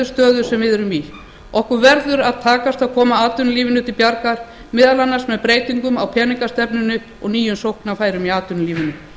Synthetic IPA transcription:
ʏst̪œːðʏɾ̥sɛmvɪðɛɾʏmi | ɔhkʏɾvɛɾðʏɾaðt̪ʰaːkast̪aðkʰɔːmaaːt̪ʏnliːvɪnʏt̪ʰɪlpjaɾkaɾ̥ | mɪðalanːasmɛðpɾeːjt̪iŋkʏmawpʰɛːniŋkast̪ɛpnʏnʏ | ɔ̰ɣniːjʏmsowhknafaːjɾʏmiaːt̪ʏnliːvɪnːʏ

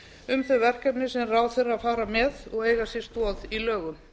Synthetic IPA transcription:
ʏmθœvɛr̥kɛpnɪsɛnraːwθerafaːɾamɛðɔɣeːjɣasɪ̥st̪ɔːðilœːɣʏm

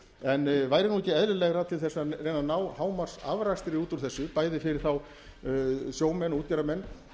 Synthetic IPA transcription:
ɛnvaːjɾɪnuɛcːɪɛðlɪlɛɣɾat̪ʰɪlθɛsarejnanawhaːwmḁsa̰vɾast̪ɪɾiuːt̪uɾ̥θɛsːʏpaːjðɪfɪɾɪɾ̥θaw | sjoːwmɛnuːt̪̚caɾamɛnː

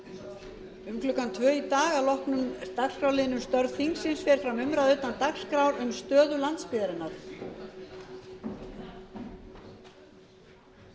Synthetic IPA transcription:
ʏmkʰlʏkːant̪ʰvœːit̪aːɣalɔhknʏmt̪akskɾawlɪːðɪnʏmst̪œɾðθiŋksɪnsfɛɾ̥fɾamʏmɾaðœɥt̪ant̪akskɾawɾʏmst̪œːðʏlant̪spɪːðaɾɪnːaɾ̥

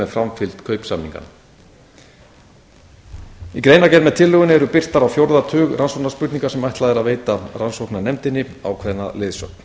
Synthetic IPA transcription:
ɛðfɾamfɪl̥t̪kʰœɥpsamnḭŋka̰n | ikɾejnacɛɾmɛðt̪ʰɪlːœɣʏnɪɛɾʏpɪr̥t̪aɾawfjowɾðat̪ʰʏːɣrʔansowknḁspʏɾt̪niŋkaɾsɛmajht̪laðɛɾaðveːjt̪aransowknanɛmt̪ɪnːɪ | a̰wkʰvɛðnalɪːðsœ̰kn̥

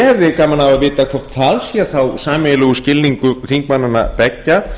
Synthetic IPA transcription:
hɛvðɪkaːmanavaðvɪːt̪akʰvɔr̥t̪θaðsjɛːaθawsaːmɪlʏɣʏscɪlniŋkʏɾr̥iŋkmanːanːa̰pɛcːa

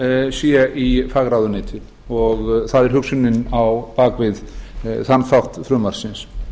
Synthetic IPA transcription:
sjɛʔifaːɣɾawðʏnɪːt̪ʰɪ | ɔɣθaðɛɾ̥hʏksʏnɪnawpaːkvɪðθanθawht̪fɾʏːmaɾ̥sɪns

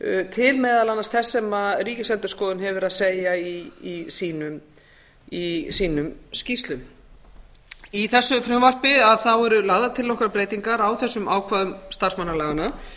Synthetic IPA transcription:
t̪ʰɪlmɛːðalanːast̪θɛsːɛmaðriːcɪsɛnt̪ɪ̥skɔːðʏnɦɛvɪɾaðseːjaiːsiːnʏm | isiːnʏmscist̪lʏm | iθɛsːʏfɾʏmvar̥pɪaðθawɛɾʏlaːɣðat̪ʰɪlːɔhkaɾpɾeːjt̪iŋkaɾawθɛsːʏmʔaːwkʰvaːðʏmst̪ar̥smanːaɾlɛːɣana

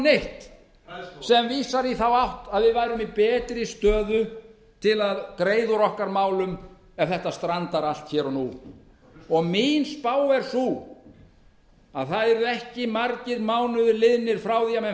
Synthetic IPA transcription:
neht̪ | sɛmviːsaɾiθawawht̪aðvɪðvajɾʏmipɛːt̪ɾɪst̪œːðʏ | t̪ʰɪlaðkɾeːjðʏɾɔhkaɾmaːwlʏm | ɛvθɛht̪ast̪ɾant̪aɾal̥t̪çɛːɾɔnṵ | ɔɣmiːnspaːwɛɾ̥su | aðθaðɛɾʏɛhcɪmaɾcɪɾmaːwnʏðʏlɪðnɪɾ̥fɾaːwðiamɛ

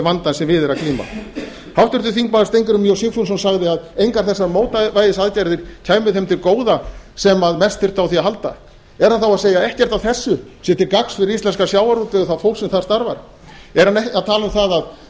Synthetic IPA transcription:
vant̪ansɛmvɪðɪɾaðkʰliːma̰ | hawft̪ʏɾ̥t̪ʏθiŋkmaðḁst̪ejŋkʏɾʏmjowsiŋkfunsɔnsaɣðɪaðejŋkaɾ̥θɛsːaɾmoːwt̪avajðɪsaðcajɾðɪɾ̥cʰaːjmʏðhɛmt̪ʰɪlkoːwðasɛmaðmɛst̪θɪr̥t̪awθiaɦalt̪a̰ | ɛɾ̥hanθawaðseːjaɛhcɛɾ̥t̪awθɛsːʏsɛt̪ɪɾkaksfɪɾɪɾist̪ɛnskasjaːwaɾut̪ɪθaðfowlsɛmθaðst̪aɾva̰ɾ̥ | ɛɾ̥haneaðt̪ʰaːlʏmθaðað

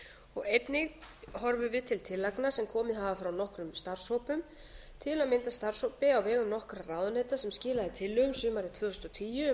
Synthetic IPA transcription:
ɔɣejt̪nɪɣɦɔɾvʏvɪðt̪ʰɪlt̪ʰɪlːajknasɛmkʰɔːmɪðɦavafɾawnɔhkɾʏmst̪ar̥sowpʏm | t̪ʰɪlamɪnt̪ast̪ar̥sowpɪawvɛːɣʏmnɔhkɾaraːwðʏnejt̪asɛmscɪːlaðɪt̪ʰɪlːʏɣʏmsʏːmaɾɪt̪ʰvœːst̪ɔt̪ʰiːjʏ

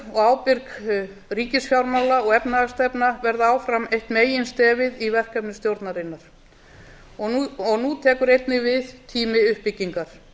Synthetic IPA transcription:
ɔɣaːwpɪɾk | riːcɪsfjawɾmawlaɔɣɛpnaast̪ɛpnavɛɾðaaːwfɾamejht̪meːjɪnst̪ɛːvɪðivɛr̥kɛpnɪst̪jowɾt̪naɾɪnːaɾ̥ | ɔɔɣnut̪ʰɛːkʏɾejt̪nɪvɪðt̪ʰiːmɪʏhpɪcːiŋkaɾ̥

